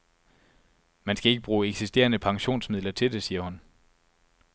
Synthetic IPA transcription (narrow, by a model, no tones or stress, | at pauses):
mænsɡ̥æe̝ɡ̥əb̥ʁuːeɡ̥sisd̥e̝̰ːɐnəpʰɑ̈ŋɕo̝̰ːnsmið̰ˠlɐt͡sʰe̝ld̥e̝siːɐhun